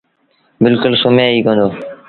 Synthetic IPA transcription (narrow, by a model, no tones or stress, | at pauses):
bɪlkʊlsomẽːiːkə̃ːnd̪oː